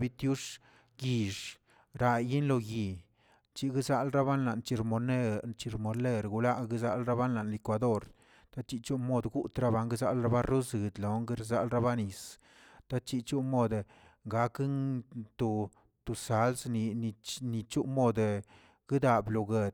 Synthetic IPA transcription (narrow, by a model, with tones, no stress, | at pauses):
bi˦t̪ju˦ʂ | ɡi˨ʂ | ɾa˧ji˦nlo˧ɡi˨ | t͡ʃi˧˦ɡi˦za˦lɾa˦βa˦nla˨nt͡ʃi˧ɾmo˧ne˦t͡ʃi˧˨ɾmo˧le˦ɾɡu˧la˦ɡi˦za˦lɾa˦ba˦nla˨nli˨kwa˨d̪o˦ɾ | t̪a˦t͡ʃi˧t͡ʃu˦mo˧d̪ɡu˦ʔt̪ɾa˦ba˧ŋɡe˦za˧lɾa˦ba˦ɾu˦zɨ˨d̪lo˨ŋɡe˦ɾza˦lɾa˦ba˦ni˨s | t̪a˦t͡ʃi˧t͡ʃu˦mo˦˧d̪ | ŋɡa˨˦kŋt̪o˨ | t̪u˨sa˨˦lsni˧ni˧ni˧t͡ʃu˦mo˧d̪ | ɡ̥i˦d̪a˨blo˨ɡe˧d̪